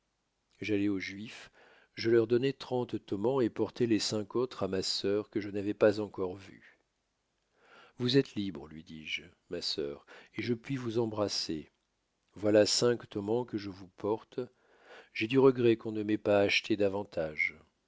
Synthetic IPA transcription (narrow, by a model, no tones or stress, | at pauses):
ʒalɛoʒɥif | ʒəlœʁd̪ɔnɛt̪χɑ̃t̪t̪ɔmɑ̃epɔʁt̪ɛlesɛ̃kot̪χamasœʁkəʒənavɛpazɑ̃kɔʁvy̰ | vuzɛt̪libʁəlɥid̪iʒ | masœ̰ʁeʒəpɥivuzɑ̃bʁase | vwalasɛ̃kt̪ɔmɑ̃kəʒəvupʰɔʁt̪ | ʒ̥ɛd̪yʁəɡʁɛkɔ̃nəmɛpaːʃt̪ʰed̪avɑ̃t̪ʰaʒ